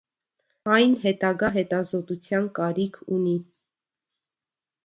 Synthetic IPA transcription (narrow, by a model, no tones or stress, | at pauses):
ɑjnɦɛt̪ɑɡɑɦɛt̪ɑzɔt̪ut͡sʰjɑnkɑɾikʰuni